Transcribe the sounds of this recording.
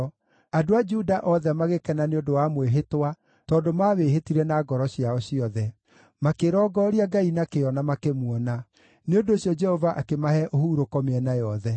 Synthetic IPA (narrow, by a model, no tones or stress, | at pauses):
adoad͡ʒudaʔɔðɛmaɣekɛnaneondowamweɦetwa | tɔːdomaweɦetiɾɛnaɡɔɾɔɕiaɔɕiɔðɛ | makeɾɔːɡɔɾiaɡainakeɔnamakemuɔna | neondoːɕjɔd͡ʒɛhɔvaʔakemahɛʔohuɾokɔmeɛnajɔðɛ